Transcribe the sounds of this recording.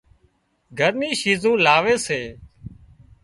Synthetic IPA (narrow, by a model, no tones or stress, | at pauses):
ɡʱəɾnĩːʃiːzũːlaːʋeːseː